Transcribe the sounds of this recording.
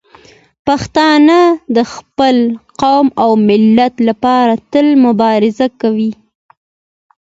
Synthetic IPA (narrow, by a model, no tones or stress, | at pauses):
paxt̪ɑnəd̪əxpəlqawmawmɪlːat̪lapɑɾat̪əlmʊbɑɾɪzakawi